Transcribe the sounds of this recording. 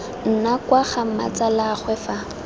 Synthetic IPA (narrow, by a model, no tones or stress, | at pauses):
n̩nakwaχama̰t͡salaχwɛfa